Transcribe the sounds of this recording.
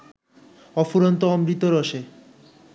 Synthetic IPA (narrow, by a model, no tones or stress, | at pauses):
ɔfuɾont̪oɔmɾit̪oɾoʃe